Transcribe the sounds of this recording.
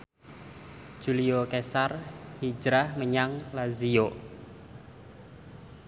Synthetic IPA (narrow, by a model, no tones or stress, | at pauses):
ʒ̥uliokesarhi̥d͡ʒɾahməɲaŋlazijo